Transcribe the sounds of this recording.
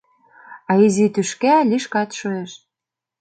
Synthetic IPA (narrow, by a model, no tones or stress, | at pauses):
ɑizit̪yʃkælʲiʃkɑt̪ʃoeʃ